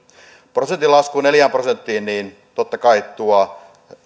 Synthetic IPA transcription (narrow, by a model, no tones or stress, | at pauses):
prosent̪ilɑskuːneljæːmprosent̪ːiːnniːn | t̪ot̪ːɑkɑitt̪uɑ